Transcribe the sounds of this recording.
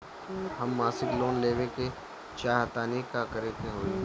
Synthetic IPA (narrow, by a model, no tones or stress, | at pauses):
ɦəmːaːsɪkloːnleːʋeke | t͡ʃaːɦət̪aːnikakəɾeːt̪eɦoːi